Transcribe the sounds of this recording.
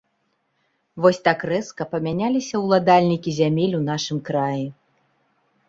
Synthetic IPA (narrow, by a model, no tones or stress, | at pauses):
vɔsʲt̪akrɛskɐpɐmʲanʲalʲisʲɐwlˠad̪alʲnʲikʲizʲamʲelʲunaʂɨmkɾaji